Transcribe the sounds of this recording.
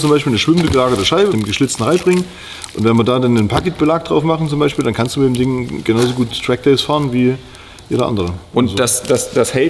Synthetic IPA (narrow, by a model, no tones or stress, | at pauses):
t͡sʊmbaɪʃpiːlnəʃv̥ɪmndəɡəlaːɡɐtəʃaɪbədeːmɡəʃlɪt͡stn̩ʁaɪbʁɪŋən | ʔʊntv̥ɛnviːɐdaːdanːənpʰakɪt̚b̥əlaːk̚d̥ʁaʊfmaχn̩t͡sʊmbaɪʃpiːldankʰansd̥umɪdeːmdɪŋɡənaʊzoɡuːttʁ̥ɛk̚d̥ɛɪsfaːʁənviː | jeːɾɐ̰ʔa̰ndəʁəʔʊnd̥asd̥asd̥ashɛl